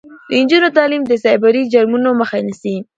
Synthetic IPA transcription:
d̪ənd͡ʒunot̪ɑlimd̪əsɑjbaɾid͡ʒaɾmunoməxanisi

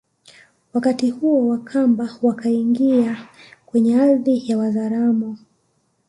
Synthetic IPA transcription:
wakatihuɔwakʰambawakaiŋɡiakwɛɲɛaðijawazaɾamɔ

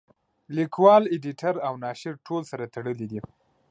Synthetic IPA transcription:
likwɑleɖiʈʰaɾawnɑʃɪɾʈʰolsaɾat̪aɽəlid̪i

